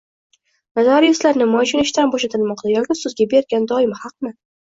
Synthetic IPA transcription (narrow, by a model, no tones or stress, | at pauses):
nazaɾɪjɪslaɾnɪmɒt͡ʃinɪʃt̪anbɒʃat̪ʰɪlˠmɒqt̪ajɒkʲɪsʊzɡʲabe̞ɾɡʲand̪ɒɪmhɑq̚nɪ